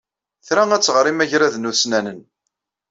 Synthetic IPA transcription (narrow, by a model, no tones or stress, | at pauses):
θɾææt͡sːʁɾimæʝɾæðnusnænən